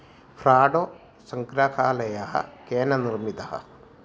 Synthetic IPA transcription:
pʰɾaːɖoː | sɐŋkɾakaːlɐjaɦɐ̰keːnɐniɾmit̪ɐhɐ̰

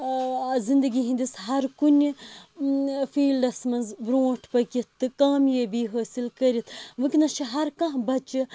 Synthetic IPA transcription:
zind̪ɐɡiɦĩnd̪isɦɐɾkunʲi | fiːlɖɐsmɐnzbɾoːʈʰpɐkit̪ːɨkaːmjebiːɦoːsilkɐɾit̪ʰʋɨkʲnɐʃiɦɐɾkɐ̃ɦbɐt͡ʃi

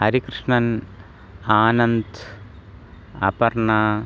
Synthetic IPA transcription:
ɐɾikrɨʂɳɐn | aːnɐnd̪ | ɐ̰pɐrɳa

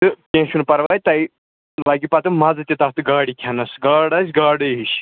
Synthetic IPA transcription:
t̪ɨkʲẽːʃunpɐɾʋaːjt̪ɐj | laːɡipɐt̪ɨmɐd͡zɨt̪ʲit̪ɐɦt̪ɨɡaːɽikʲʰɐnɐsɡaːɽɐsʲɡaːɽɨɦiʃ

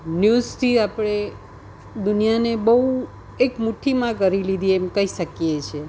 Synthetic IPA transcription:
njust̪ʰiapɽ̃e | d̪ʊnijanebəu | ekmuʈʰimãkəɾilid̪ʱiemkəiʃəkijet͡ʃʰe

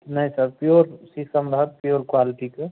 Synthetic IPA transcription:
nɐɦisɐɾpjoːɾsisəmɾəɦət̪̚pijoːɾkwaːlɪʈike

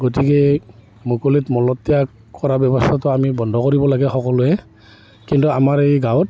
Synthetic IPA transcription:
ɡotikɛ | mokolitmɔlɔtːija | kɔɹabjɔbɔstʰatɔamibɔndʱɔkoɹibɔlaɡɛxɔkɔlʊɛ | kintuamaɹeɡawɔt

